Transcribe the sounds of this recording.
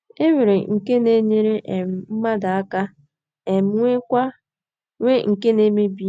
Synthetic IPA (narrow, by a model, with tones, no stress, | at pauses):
e˦wi˨ɾe˨ŋ̩˨ke˦ne˦ɲe˦ɾe˦ʔe˨m̩˨m̩˦ma˦da˨a˦ka˦ | e˨m̩˦ŋʷe˦kʷa˦ | ŋʷe˦ŋ̩˨ke˦ne˦me˦bi˦